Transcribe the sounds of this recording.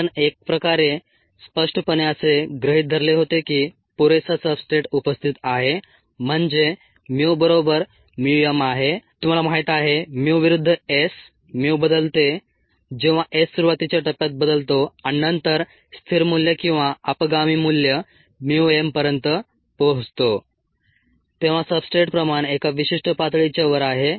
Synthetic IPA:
ənek̚pɾəkaɾe | spəʂʈəpənjəseɡɾəɦit̪̚d̪ʱəɾleɦot̪ekiː | puɾesasəbsʈeʈupəst̪ʰit̪aɦe | m̤əɳd͡ze | mowbəɾobəɾ | miɖijəmaɦet̪um̤alamaɦjt̪aɦemuʋiɾud̪ʱːəes | miwbəd̪əlt̪e | d͡ʑeʋ̤aʔesːuɾuʋat̪it͡ɕjaʈəpjat̪̚bəd̪əlt̪oãinənt̪əɾ | st̪ʰiɾmuljəkĩw̃ʋaəpəɡamiːmuljə | mjuempəɾjənt̪ə | pəɦd͡zt̪o | t̪eʋ̤asəbsʈɾeʈpɾəmaɳ̃ekaʋiɕiʂʈəpat̪ɭit͡ɕaʋəɾaɦe

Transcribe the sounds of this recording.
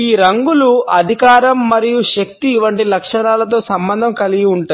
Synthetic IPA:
iːɾɐŋɡuluɐd̪ʱikaːɾɐmːɐɾijuʃɐk̚t̪iːʋɐɳʈilɐkʂɐɳaːlɐt̪o̞ːsɐmbɐnd̪ʱɐmkɐliɡiuɳʈu

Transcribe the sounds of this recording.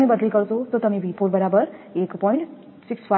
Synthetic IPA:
mẽbʌd̪liɡʌɾt͡sʰot̪ot̪ʌmĩbʱipʰoɾbʌɾabʌɾekpɔjɳʈ | sikspʰa

